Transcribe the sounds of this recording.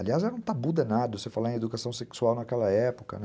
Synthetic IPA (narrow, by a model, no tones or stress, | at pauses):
aliazɛɾɐ̃w̃t̪abud̪ɐnad̪ɐvosefalaẽed̪ukasɐ̃w̃seksuawnakɛlɐɛpo̥kɐ̰nɛ